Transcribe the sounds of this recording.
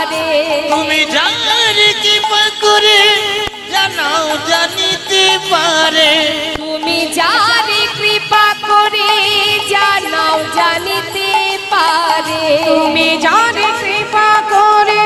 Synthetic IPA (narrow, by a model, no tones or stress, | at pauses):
ɾeumid͡ʒanaɾekipakɔɾe | d͡ʒanawd͡ʒanit̪epaɾet̪umid͡ʒanekɾipakoɔɾed͡ʒanawd͡ʒanit̪epaɾeumid͡ʒanekɾipakɔɾe